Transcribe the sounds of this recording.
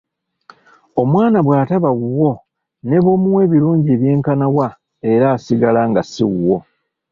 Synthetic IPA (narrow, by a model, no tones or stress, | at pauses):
o̞mwaːnaβwaːtaβaɣuwo̞ | ne̞βo̞ːmuwe̞ːβiɾuːɲɟeːβje̞ːŋkanawa | e̞ɾaːsiɡalaŋɡasḭɣuwo̞